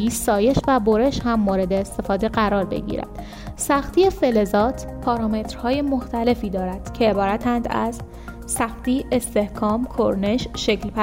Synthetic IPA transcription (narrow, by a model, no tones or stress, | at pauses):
iːsɒːje̞ʃvæboɾe̞ʃhæmːoːɾe̞d̪eːst̪e̞fɒːd̪e̞ɣæɾɒːɾbe̞̰ɟḭːɾæ̰d̪̥ | sæxt̪ʰiefe̞le̞zɒːt̪ʰpʰɒːɾɒːme̞t̪ʰɾ̥hɒːje̞moxt̪ʰæle̞fiːd̪ɒːɾæd̪̥cʰe̞ːbɒːɾæt̪ʰænd̪æ̰z | sæxt̪iːʔe̞st̪e̞hkʰɒːmkʰoɾne̞ʃʃeklpæ